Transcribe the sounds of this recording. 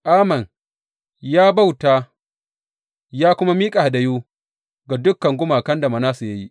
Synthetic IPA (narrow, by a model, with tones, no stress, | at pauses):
ʔaː˦mɐ˨n | jaː˦ba˦wtaː˦ | jaː˦kʷʊ˦ma˦miː˦kʼa˨ha˨da˦joː˦ | ɡa˨dʊ˦kːɐ˨ŋɡʷʊ˦maː˨kɐ˦nda˨ma˨naː˦su˨ja˦ji˦ʔ